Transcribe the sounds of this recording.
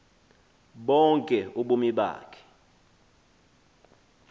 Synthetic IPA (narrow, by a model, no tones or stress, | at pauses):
ɓɔŋkʼɛuɓumiɓa̰ːkʰɛ̥